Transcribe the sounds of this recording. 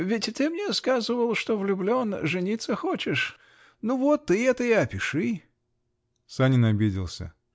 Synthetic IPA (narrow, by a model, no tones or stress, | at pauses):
vʲɪtʲt̪ɨmnʲeskazɨvəlˠʂt̪o̞vlʲʊblʲo̞nʐɨnʲit̪sːəxot͡ɕɪʂ | nuvot̪ːɨɛt̪əjiɐpʲɪʂɨ | sanʲɪnɐbʲidʲɪlˠsʲə̰